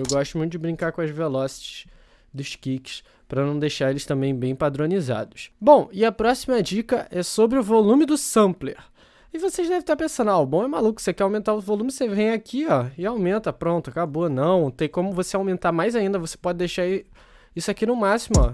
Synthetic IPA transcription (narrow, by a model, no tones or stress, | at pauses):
ewɡɔʃt̪ʊmũt̪ʊd͡ʒɪbɾĩŋkakõɐzvelɔsi̥t͡ʃɪ̥ʃ | d̪ʊʃkikɪ̥s | pɾɐnɐ̃w̃d̪ejʃaɾelɪst̪ɐ̃mbẽj̃bẽj̃pad̪ɾõniza̰d̪ʊsbõw̃ɪɐpɾɔsimɐd͡ʒikɐʔɛsobɾɪʊvolũmɪd̪ʊsɐ̃pleɾ | ɪvoseʒd̪ɛvɪ̃t̪apẽsɐ̃nd̪awbõw̃ɛmalukʊ̥sekɛawmẽnt̪aɾʊvolũmɪsevẽj̃akʰiɔɪawmẽnt̪ɐpɾõnt̪ʊakaboɐnɐ̃w̃t̪ẽj̃kõmʊvoseawmẽnt̪amajzaĩnd̪ɐvose̥pɔd͡ʒɪd̪ejʃaɾ | isʊakinʊmasimʊɔ̰